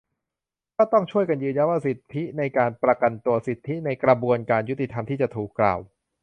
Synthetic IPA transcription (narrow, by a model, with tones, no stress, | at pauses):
kɔː˥˩t̪ɔ˥˩ŋt͡ɕʰu˥˩əjka˧njɯː˧nja˦˧˥waː˥˩si˨˩t̪ʰːi˦˥na˧jkaː˧npɾa˧ka˧nt̪u˧ɐsi˨˩t̪ʰːi˦˥na˧jkɾa˧bu˧ənkaː˧nju˦˥t̪i˨t̪ʰa˧mt̪ʰiː˥˩t͡ɕa˨˩t̪ʰuː˨˩kːla̰ː˨˩w